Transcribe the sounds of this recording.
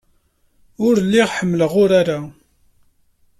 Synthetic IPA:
ʊɾlːiʁħəmːləʁʊɾaɾa

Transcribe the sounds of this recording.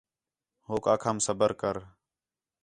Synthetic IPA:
ɦoːkaːkʰaːmsəbəɾkəɾ

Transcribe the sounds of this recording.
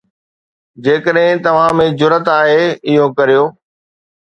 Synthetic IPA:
d͡ʑeːkəɗɦɪ̃t̪ɐʋ̤ãmẽd͡ʑʊɾət̪aːɦeɪɦokɐɾijoː

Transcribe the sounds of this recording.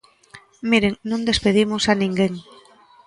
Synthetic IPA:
miɾeŋnõnd̪espeð̞imosanĩŋɡeŋ

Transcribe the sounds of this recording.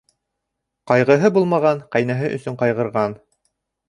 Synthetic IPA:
qɑjʁɤ̆ɦɤbulˠmɑʁɑɴqæjnæɦɘʔɵ̆sɵɴqɑjʁɤ̆ɾʁɑn

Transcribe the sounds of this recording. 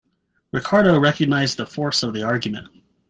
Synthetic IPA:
ɹɨkʰɑɹɾoʊɹɛkɨɡ̚naɪzðəfɔɹsʌvðiɑɹɡjɨmɨ̰̃nt̚

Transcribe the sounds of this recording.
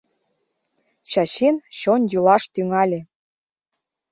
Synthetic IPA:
ɕɑɕenɕonʲjylɑʃt̪yŋɑlʲĕ

